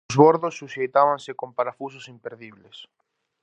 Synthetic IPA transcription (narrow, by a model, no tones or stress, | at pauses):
zβoɾðʊsːuʃejt̪aβaŋsɪkompaɾafus̬ʊsimpeɾðiβ̞les